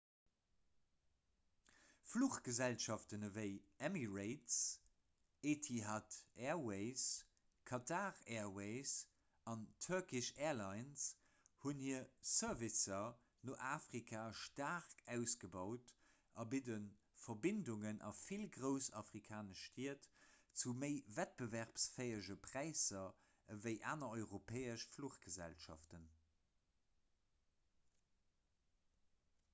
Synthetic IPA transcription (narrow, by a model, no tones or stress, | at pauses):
fluχɡ̥əzælʃɑftənəvəɪɛmiʁeɪts | eːtʰiɦatɛːɐweɪs | kʰɑtʰaːʁɛːɐweɪs | ɑntʰəɐkiʃɛːɐlɑɪns | hunhiːɐsœɐvisɐ | noʔaːfʁikʰaːʃtaːʁkæʊsɡ̥əbɑʊt | ʔɑbidən | fɐbinduŋənʔɑ̰filɡʁəʊsɑfʁikʰaːnəʃtʰiːətt͡suməɪvæt̚b̥əvæʁpsfeɪəʒəpʁ̥æɪsɐ | əvəɪʔa̰ːnɐɔʏʁopʰɛːəʃfluχɡ̥əzæ̰lʃɑ̰ftən